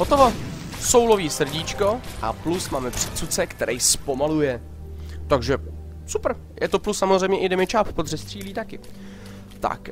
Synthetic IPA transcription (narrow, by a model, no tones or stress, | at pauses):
ɦot̪ovaso̞wlo̞viːsr̩ɟiːt͡ʃko̞ʔa̰plusmaːmɛpr̥ɛ̥t͡sut͡sɛkt̪ɛɾʔɛjspo̞malujɛ | t̪aɡʒɛ | supr̩ | jʔɛt̪o̞plusːamozrɛjmɲɛʔɪdɛmɪt͡ʃaːppod̪r̝ɛst̪r̥iːliːt̪akɪ | t̪a̰k